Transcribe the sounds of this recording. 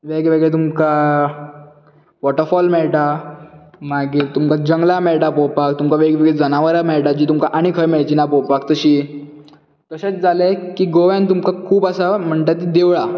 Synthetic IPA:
ʋeɡʋeɡɭet̪̬umka | ʋɔʈəɾfɔlmeɭʈa | maɡiːɾt̪umkad͡ʑəŋɡlameɭʈapowpak̚t̪umkaʋeɡʋeɡɭed͡zənaʋəɾamɛɭʈad͡ʑiːt̪umkaʔaɽ̃ikʰəjmeɭt͡ɕinapopakt̪əɕiː | kəɕet͡sd͡zalekiːɡoʋjãnt̪umkakʰuːpəsam̤əɳʈ̪at̪̬id̪eʋɭa

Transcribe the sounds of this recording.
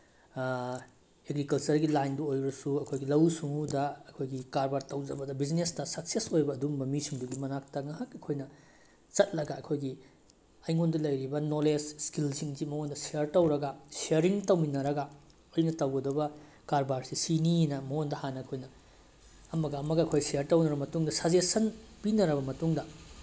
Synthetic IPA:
eɡɾikɐlt͡ʃɐɾɡilajnduojɾɐsuɐkʰojɡilɐwsuŋudɐɐkʰojɡikaɾbaɾtɐwd͡ʒɐbɐdɐbid͡ʒnestɐsɐk̚sesojbɐːdumbɐmisuŋduɡimɐnak̚tɐŋɐɦakɐkʰojnɐ | t͡ʃɐt̚lɐɡɐɐkʰojɡi | ɐjŋondɐlɐjɾibɐnolesskilsiŋzimɐondɐsiɐɾtɐwɾɐɡɐsiɐɾiŋtɐwminɐɾɐɡɐ | ɐjnɐtɐwɡɐdɐbɐ | kaɾbaɾsisininɐmɐondɐhanɐɐkʰojnɐ | ɐmɐɡɐːmɐɡɐɐkʰojsiɐɾtɐwnɐɾbɐmɐtuŋdɐsad͡ʒesɐnpinɐɾɐbɐmɐtuŋdɐ

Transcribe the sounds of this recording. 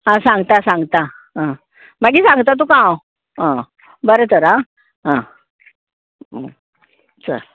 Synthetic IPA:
ɦãsãŋɡt̪asãŋɡt̪a | ɦã | maɡiːsãŋɡt̪at̪ukã | ɦã | bəɾət̪əɾɦã | ɦã | t͡sə̰ɾ

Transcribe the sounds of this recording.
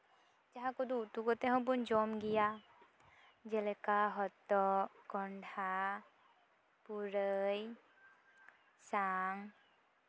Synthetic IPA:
d͡ʒaɦakɔd̪ut̪uɡɔt̪ɛɦɔ̃bɔnd͡ʒɔmɡija | d͡ʒɛlɛkaɦɔt̪ːɔkɔɳɖʱa | puɾəj | saŋ

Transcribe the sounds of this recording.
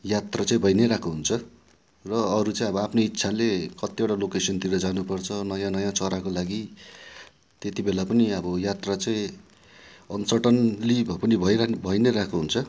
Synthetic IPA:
jat̪rat͡saĩbʱʌjneɾakʰuɦunt͡sʰʌ | rʌːɾut͡saĩʌbʌapʰneitːsʰalekʌt̪ieʈalokesʌnt̪iɾʌd͡zanupʌrt͡sʰʌnʌjãnʌjãt͡sʌɾakolaɡi | t̪et̪ibelapʌniʌbʌjat̪rat͡saĩ | ʌnsʌʈʌnlibʱʌpʌnibʱʌjɾbʱʌjneɾakuɦunt͡sʰʌ

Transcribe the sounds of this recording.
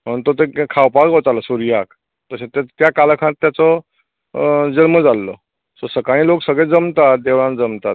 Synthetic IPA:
mənt̪ot̪ekʰawpakʋət͡s̪alasuɾijak | t̪əɕẽt̪et̪jakalkʰãt̪ːjat͡sɔ | d͡zəlməd͡zalːɔ̰ | sosəkaɭ̃ĩloksəɡɭed͡zəmt̪at̪̚d̪eʋɭãnd͡zəmt̪at̪̚

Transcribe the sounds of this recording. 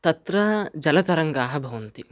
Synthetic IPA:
t̪ɐt̪ɾɐd͡ʒɐlɐt̪ɐɾɐŋɡaːɦɐ̆bʱɐʋɐnt̪i

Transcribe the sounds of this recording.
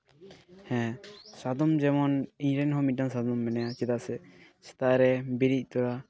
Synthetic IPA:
hɛ̃sad̪ɔmd͡ʒɛmɔniɲɾɛnɦɔmit̪̚daŋsad̪ɔmːɛnɛjat͡ʃɛd̪asɛsɛ̥t̪aʔɾɛbiɾic̚t̪ɔɾa

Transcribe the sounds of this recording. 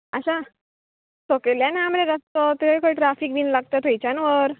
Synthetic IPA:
aɕa | t̪okeljanamɾeɾast̪ət̪iəjkəjʈɾafiːkʋiːnlaɡ̚t̪ət̪ʰejt͡ɕanʋəɾ

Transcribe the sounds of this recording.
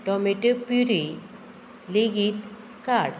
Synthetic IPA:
ʈɔmeʈepiɾi | leɡiːt̪ | kaɽ

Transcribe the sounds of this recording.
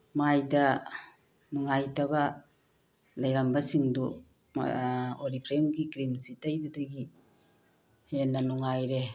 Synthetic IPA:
majdɐ | muŋajtɐbɐ | lajɾambɐsiŋdṵ | oɾipʰɾemɡikɾimsitajbɐdɐɡi | henːɐnuŋajɾe

